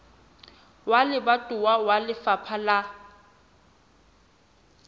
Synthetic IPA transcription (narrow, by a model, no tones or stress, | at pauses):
walɪbatʼʊwawalɪfapʰala